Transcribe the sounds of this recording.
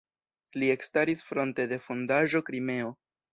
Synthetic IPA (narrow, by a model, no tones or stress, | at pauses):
lie̞kstaɾisfɾo̞nte̞de̞fo̞ndaʒo̞kɾime̞o̞